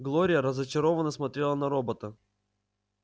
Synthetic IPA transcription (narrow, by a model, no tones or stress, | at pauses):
ɡlˠoɾʲɪjəɾəzət͡ɕɪɾo̞vənəsmɐt̪ʲɾʲelˠənɐɾobət̪ə